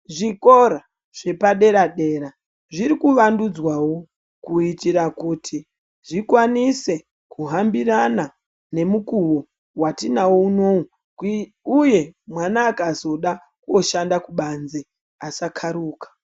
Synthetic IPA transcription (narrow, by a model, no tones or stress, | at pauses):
ʐikoɾa | ʐ̥e̞paɗe̞ɾaɗe̞ːɾa | ʐiɾikuʋandud͡zwawo̞ | kuitiɾakutʰi | ʐikwanise̞ | kʰuɦambirana | ne̞mukuwo | watinawo̞unou | uje̞mwanaːkazo̞ɗa | kuoʃandakuɓanze | asakʰaɾuːkḁ